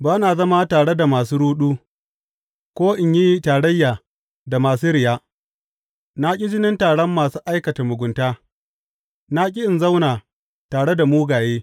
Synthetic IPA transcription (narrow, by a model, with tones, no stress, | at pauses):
baː˦na˨zɐ˦maː˦taː˨ɽe˦da˨maː˨s̬uː˦ɽuː˦ɗuː˦ | kʷoː˦ʔɪ˨ɲji˦taː˨ɽɐ˦jːaː˨ | da˨maː˨suː˦ɾɪ˨jaː˦ | na˦kʲʼi˦d͡ʒɪ˦nɪ˦ntaː˨ɽɔ˦mːaː˨suː˦ʔa˦jkɐ˨ta˨mʊ˨ɡʷʊ˨ntaː˦ | na˦k̬ʲʼɪ˦ʔɪ˨nza˦wnaː˨ | taː˨ɽe˦da˨muː˦ɡaː˨jeː˦